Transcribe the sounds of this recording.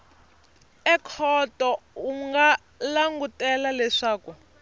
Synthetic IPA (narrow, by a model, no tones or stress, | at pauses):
ɛkʰɔtɔuŋɡa | laŋɡutɛlalɛʂaːku